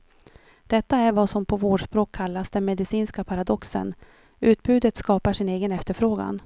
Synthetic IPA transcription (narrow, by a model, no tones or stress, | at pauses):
d̪̥ɛt̪ːaæɾvasɔmpʰɔvoːɖʂpɾoːkʰːalːasd̪ɛnmɛd̪ɪsiːnskapʰaɾad̪ɔksə̰n | ʔʉ̟ːt̪̚bʉ̟ːd̪ət̪skɑːpaʂɪneːɡənɛft̪əɾfɾoːɡa̰n